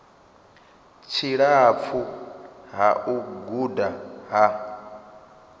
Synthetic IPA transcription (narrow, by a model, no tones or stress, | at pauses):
t͡ʃʰiɺap̪fʰuɦaʔuɡudaɦa